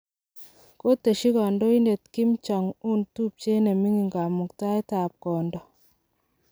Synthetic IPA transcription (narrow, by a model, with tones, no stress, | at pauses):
ko˦te˨ʃi˦kɔ˨ndɔ˦i˦nde˨t̚ki˦mt͡ʃɔ˨ŋu˦ntu˦p̚t͡ʃe˦ne˨mi˦ŋi˨ŋɡa˨mu˨kta˦i˦ta˨p̚kɔ˨ndɔ˨